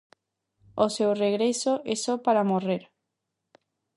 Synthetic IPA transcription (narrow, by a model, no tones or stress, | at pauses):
osewreɣɾesoʔesopaɾamoreɾ